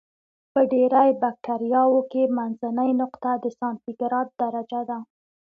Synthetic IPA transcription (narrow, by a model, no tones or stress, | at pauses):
pəɖeɾajbak̚ʈaɾjɑwokemanzanəjnʊqt̪ad̪əsɑnt̪iɡɾɑd̪̚d̪aɾad͡ʒad̪a